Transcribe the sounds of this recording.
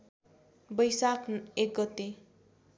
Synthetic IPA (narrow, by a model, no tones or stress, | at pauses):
bʌjsakʰek̚ɡʌt̪e